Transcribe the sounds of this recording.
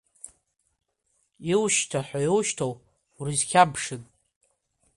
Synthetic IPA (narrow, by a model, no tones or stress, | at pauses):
iwʃtʰaħʷajiwʃtʰow | wrizkʲʰabʂɨn